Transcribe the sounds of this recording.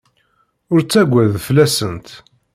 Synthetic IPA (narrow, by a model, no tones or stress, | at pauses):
ʊɾt͡sːæɡʷːæðflæsənt̪